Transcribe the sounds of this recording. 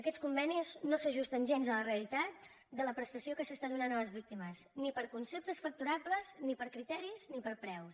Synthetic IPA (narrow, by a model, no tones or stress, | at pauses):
əkɛskumbɛniznosəʒust̪ənʲʒenzələreəlit̪at̪ | d̪ələpɾəst̪əsiokəsəst̪aðunanələzβik̚t̪iməznipəɾkunsep̚t̪əsfək̚t̪uɾabləznipəɾkɾit̪ɛɾiznipəɾpɾɛws